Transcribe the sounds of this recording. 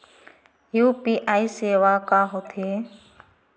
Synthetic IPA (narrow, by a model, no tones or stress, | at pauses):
juːpiːʔaːiːseːʋaːkaːɦoːt̪ʰeː